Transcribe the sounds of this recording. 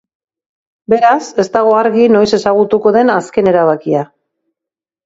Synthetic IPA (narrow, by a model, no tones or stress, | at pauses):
be̞ɾase̞st̪aɣ̞o̞aɾɣino̞jse̞saɣ̞ut̪uko̞ðe̞naske̞ne̞ɾaβakia